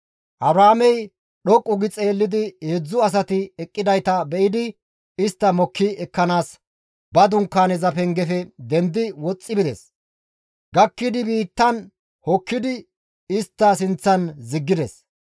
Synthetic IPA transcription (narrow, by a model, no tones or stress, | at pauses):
ʔɐbɾaːmɛj | ɗɔkʼːʊɡɪt͡sʼe̞ːlːɪd̪ɪhed͡zːʊɐs̬ɐt̪ɪɛkʼːɪd̪ɐjt̪ɐbɛʔɪd̪ɪ | ɪst̪ːɐmɔkːɪɛkːɐnaːs | bɐd̪ʊŋkːaːnɛzɐpɛŋɡɛfɛd̪ɛnd̪ɪwɔt͡sʼːɪbɪd̪ɛ̰s | ɡɐkːɪd̪ɪbiːt̪ːɐn | hɔkːɪd̪ɪ | ɪst̪ːɐs̬ɪnt͡sːɐnzɪɡːɪd̪ɛs